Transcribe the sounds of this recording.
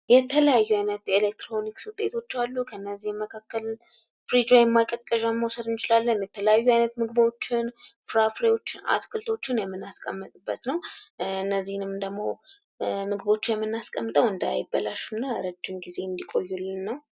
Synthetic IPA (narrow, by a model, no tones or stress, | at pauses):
jɛt̪ʰələjajːuajnət̪jɛelek̚t̪ʰɾo̞nikswʊt̪ʼːe̞t̪ʰo̞t͡ʃːalːukʰəɨnːəzːihməkʰakːəl | fɾid͡ʒwajɛmːakʼət̪ʼkʼəʒamːəwsəd̪ɨnt͡ʃɪlalːənjɛt̪ʰələjajːuajnət̪mɨɡɨbo̞t͡ʃːɪnfɨɾafɾewo̞t͡ʃːɪna̰t̪kʰɨlt̪ʰo̞t͡ʃːɪnjɛmːɨnaskʼəmːɨt̪ʼɨbːət̪nəwɨnːəzːihnɨmd̪əɡmo̞ | mɨɡɨβo̞t͡ʃːɪnjɛmːɨnːaskʼəmːɨt̪ʼəwɨnd̪a̰jɪbːəlaʃunːaɾəd͡ʒːɪmɡize̞ɨnd̪ikʼo̞jːulːnːəw